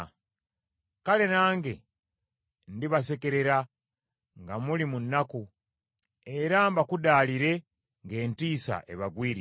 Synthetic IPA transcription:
kale̞naːŋɡe̞ | ndiβase̞ke̞ɾe̞ɾa | ŋɡamulimunːaku | e̞ɾambakudaːliɾe̞ | ŋɡe̞ːntiːsa̰ʔe̞̰βaɡwiːɾi

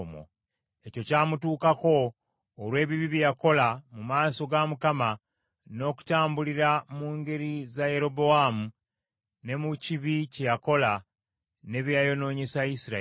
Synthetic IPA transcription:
mo̰ | e̞co̞caːmutuːkako̞ː | lwe̞ːβiβiβjjako̞lamumaːso̞ɡamukama | no̞ku̥taːmbuliɾamuːŋɡe̞ɾizaje̞ɾo̞bo̞amu | ne̞muciβicejako̞la | ne̞βjajo̞no̞ːɲe̞saisiɾa

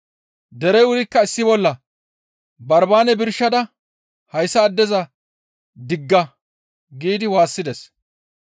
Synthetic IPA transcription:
d̪ɛɾɛjʊɾɪkːɐɪsːɪbɔlːɐ | bɐɾbaːnɛbɪɾʃːɐd̪ɐ | hɐjsːɐːd̪ːɛzɐ | d̪ɪɡːɐ | ɡiːd̪ɪwaːsːɪd̪ɛs

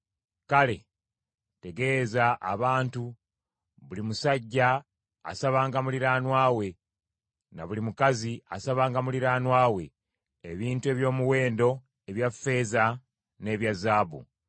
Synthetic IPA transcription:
kale̞ | te̞ɡe̞zaʔa̰βaːntu | βulimusaɟːa̰ː | saβaːŋɡamuliɾaːnwaːwe̞ | na̰βulimukazia̰saβaːŋɡamuliɾaːnwaːwe̞ | eβiːntue̞βjo̞ːmuwe̞ːndo̞ | eβjafːe̞ːza | ne̞ːβjazaːβṵ

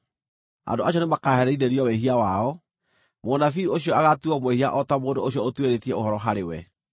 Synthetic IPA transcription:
a̰ndoaɕjɔnemakaːɦɛɾɛiðeɾiɔweɦiawaɔ | monafioɕijɔaɣatuɔmoehiaʔɔtamoːndooɕiɔotweɾetiɛohɔɾɔɦaɾewɛ

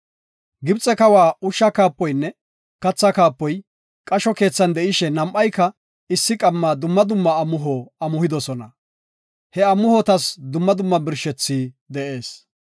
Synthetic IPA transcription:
ɡɪbt͡sʼːɛkɐwaːʊʃːɐkaːpːɔjnːɛ | kɐt͡sːɐkaːpːɔj | kʼɐʃɔke̞ːt͡sːɐnd̪ɛʔɪʃɛnɐmʔːɐjkːɐ | ɪsːɪkʼɐmːaːd̪ʊmːɐd̪ʊmːɐːmʊɦoːɐmʊhɪd̪ɔsɔnɐ | hɛɐmːʊhɔt̪ɐsd̪ʊmːɐd̪ʊmːɐbɪɾʃɛt͡sːiː | d̪ɛʔe̞ːs

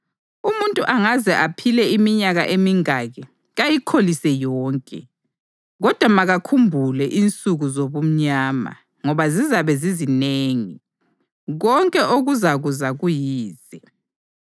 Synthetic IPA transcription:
umuntʼuʔaŋazɛʔapʰilɛimiɲaɣa̰ʔemiŋaɣɛ | ɣajikʰolisɛjɔːŋkʼɛ̰ | ɣɔd̥ʱwamaɣakʰumbʱulɛʔint͡sʼuɣuzoβum̩ɲaːma̰ | ŋɔβazizaβɛzizineːŋi | ɣɔŋkʼɛʔoɣuzaɣuzaɣujiːz̥ɛ

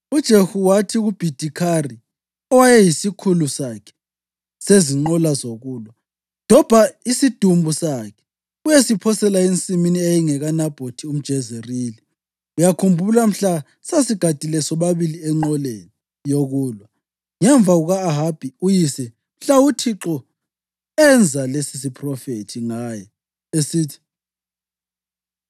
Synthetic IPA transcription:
ud̥ʒ̥ʱehuwatʰiɣub̥ʱid̥ʱikʰari | ɔwajɛjisikʰulusakʰɛ̥ | seziŋ͡ǃɔlazoɣuːlwa | n̥ʱɔb̥ʱaisid̥ʱumbʱusakʰɛ̥ | ujesipʰɔsɛlaent͡sʼiminiejiŋɛɣanab̥ʱotʰium̩d̥ʒ̥ʱɛzeriːli | ujakʰumbʱulam̩ɬa | sasiɡ̥ʱad̥ʱilɛsɔβaβiliɛŋ͡ǀɔleni | joɣuːlwa | ŋɛɱb̪vʱaɣuɣaːɦab̥ʱiujisɛ | m̩ɬautʰiǁɔ | ɛnd͡zʱalesis̬ipʰrɔfetʰiŋaːjɛ | esiːtʰi̥

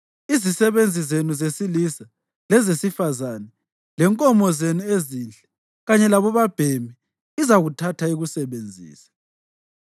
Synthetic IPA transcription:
izisɛβend͡zʱizenuzesilisa | lɛzesifazanɛ | lɛŋkʼɔmɔzenuezinɬɛ̥ | ɣaɲɛlaβɔβab̥ʱemi | izaɣutʰatʰaiɣusɛβend͡zʱḭːsḁ

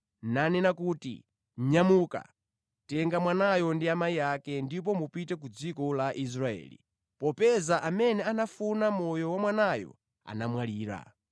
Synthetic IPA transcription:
nanɛnakuːtḭ | ɲamuːka̰ | tɛŋɡamwanajɔndiamaiakɛndip̬ɔmupitɛk̬ud͡zikɔlaʔis̬ɾaɛ̰ːlḭ | pɔpɛzaʔamɛnɛanafunamɔjɔwamwanajɔ̰ | a̰namwaliːɾa̰

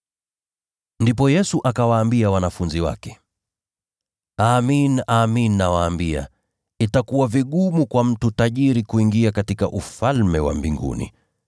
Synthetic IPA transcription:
ndipɔjɛsuʔakawaːmbiawanafunziwa̰kɛ̥ | aːminaːmininawaːmbia̰ | itakuwaviɠumukwam̩tutaʄiɾikuiŋɡiakatika̰ʔufalmɛwa̰mbiŋɡṵnḭ

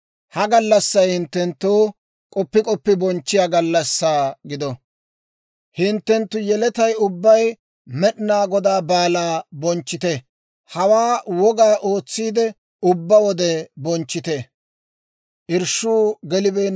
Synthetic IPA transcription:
hɐɡɐlːɐsːɐjhɪnt̪ːɛnt̪ːuː | kʼɔpːɪkʼɔpːɪbɔnt͡ʃːɪjaːɡɐlːɐsːaːɡɪd̪ɔ | hɪnt̪ːɛnt̪ːʊjɛlɛt̪ɐjʊbːɐj | mɛɗɪnaːɡɔd̪aːbaːlaːbɔnt͡ʃːɪt̪e | hɐwaːwɔɡaːʔo̞ːt͡sːiːd̪ɛ | ʊbːɐwɔd̪ɛbɔnt͡ʃːɪt̪e | ʔɪɾʃuːɡɛlɪbeː

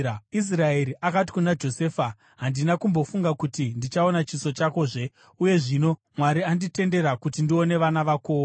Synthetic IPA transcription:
is̬rae̞ɾiʔakat̬i̥kunad͡ʒo̞se̞ːfa | ɦandinakumbo̞fuŋɡakutindit͡ʃao̞nat͡ʃiso̞t͡ʃako̞ʐe̞ | uje̞ʐino̞ | mwaɾiandite̞nde̞ɾakutindio̞ne̞ʋanaʋakoːo

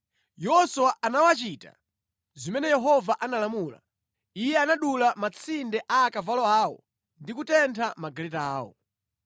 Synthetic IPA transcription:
jɔsuwaʔanawat͡ʃiːta̰ | zimɛnɛjɛɦɔvaʔanalamuːla̰ | ijɛanaɗulamat͡sʰindɛʔaːkavalɔaːɔ̰ | ndikutɛntʰamaɡalɛtaaːwɔ̰

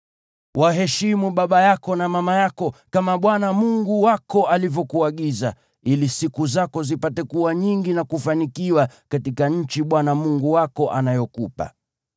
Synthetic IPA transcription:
wʔaɦɛʃimuɓaɓajakɔnamamajakɔkamaɓwanamuŋɡuwakɔalivjɔkuaɠiza̰ | ilisikuzakɔzipatɛkuwaɲiŋɡinakufanikiwakatikaɲ̩t͡ʃiɓwanamuŋɡuwakɔʔanajɔkupa̰

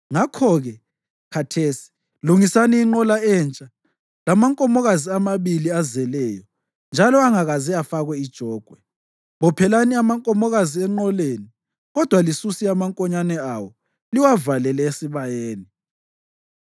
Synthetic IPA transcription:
ŋakʰɔɣɛ | kʰatʰeːsi̥ | luŋisaniːŋ͡ǃɔlaɛnt͡ʃʼa | lamaŋkʼɔmɔɣaziamaβiliazɛlɛjɔ | nd͡ʒʱalɔaŋaɣaziafaɣwɛid̥ʒ̥ʱɔːɡ̥ʱwɛ | βɔpʰɛlaniamaŋkʼɔmɔɣaziɛŋ͡ǃɔleːni | ɣɔd̥ʱwalisusiamaŋkʼɔɲanɛawɔ | liwavalɛlɛesiβajeːni

